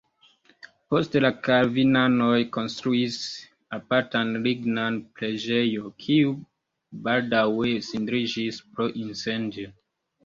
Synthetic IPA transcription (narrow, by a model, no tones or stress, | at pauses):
po̞stelakaɾvinanojko̞nstɾuis | apaɾtanliɡnanpɾed͡ʒejokʰiu | baldawesindɾid͡ʒispɾoʔinsendjo